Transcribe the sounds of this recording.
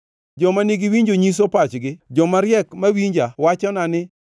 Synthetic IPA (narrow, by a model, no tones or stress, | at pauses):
d͡ʒɔmaniɡiwiɲd͡ʒoɲis̬opat͡ʃɡɪd͡ʒɔmaɾjɛkmawiɲd͡ʒawat͡ʃɔnanɪ